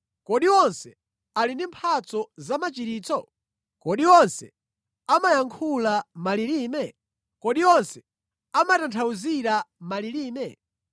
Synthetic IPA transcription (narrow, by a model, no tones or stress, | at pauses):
kɔɗiwɔnsɛ | alindimpʰat͡sɔzamat͡ʃiɾiːt͡sɔ | kɔɗiwɔnsɛ | amajaŋkʰulamaliɾiːmɛ | kɔɗiwɔnsɛ̥ | amatantʰauziɾamaliɾiːmɛ